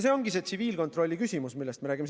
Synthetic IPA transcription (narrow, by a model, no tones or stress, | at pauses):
se̞ːo̞ŋɡise̞ːt̪siviːlko̞t̪ro̞lʲːikysʲimusmilːest̪meɾæːɡ̥ims